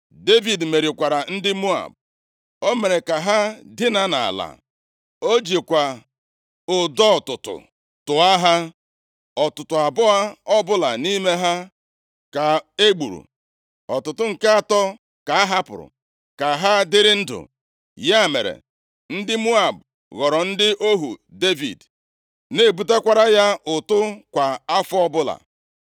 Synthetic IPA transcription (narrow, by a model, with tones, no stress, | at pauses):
de˦vi˨dme˨ɾi˨kʷa˨ɾa˨n̩˦dɪ˦mu˦a̰˨b̚ | o˦me˨ɾe˨ka˨ɦa˦dɪ˦na˦na̰˨la̰˨ | o˦d͡ʒi˨kʷa˨ | ʊ˨dɔ˦˨tʊ˨tʊ̰˨ | tʊ˨a˦ɦa˦ | ɔ˨tʊ˨tʊ˨a˨bʊ˦a˦ɔ˦bʊ˦la˨ni˦me˦ɦa˦ | ka˨e˦ɡ͡bṵ˨ɾṵ˨ | ɔ˨tʊ˨tʊ˨ŋ̩˨ke˦a˨tɔ˦ | ka˨a˦ɦa˦pʊ̰˨ɾʊ̰˨ | ka˨ɦa˦dɪ˦ɾɪ˦n̩˦dʊ̰˨ | ja˦˨me˨ɾḛ˨ | n̩˦dɪ˦mu˦a˨b̚ | ɣɔ˨ɾɔ˨n̩˦dɪ˦ʔo˦ɦu˨de˦vḭ˨d | ne˦˨bu˨t̬e˦kʷa˦ɾa˦ja˦ʔʊ˨tʊ˦kʷa˨a˦fʊ˦ɔ˦bʊ˦la̰˨